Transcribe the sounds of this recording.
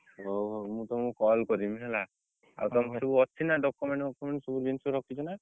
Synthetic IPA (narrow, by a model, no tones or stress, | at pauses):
ɦoɦowmũt̪ɔmũkɔlkɔɾimiɦela | a̰wt̪ɔmt̪ɔsubuɔt͡ʃʰinaɖɔkumeɳʈɔkːumeɳʈsɔbud͡ʒensuɾɔkʰit͡ʃɔna